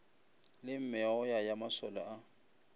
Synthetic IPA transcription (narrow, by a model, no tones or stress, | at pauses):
lɪm̩mɪaʊjajamasɔlɔa